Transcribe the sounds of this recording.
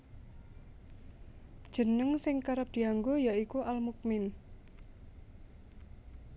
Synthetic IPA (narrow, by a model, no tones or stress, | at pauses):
d̥ʒ̥ə̤nəŋsɪŋkaɾəp̚d̪̥i̤aŋɡojaikuʔalmuk̚mɪn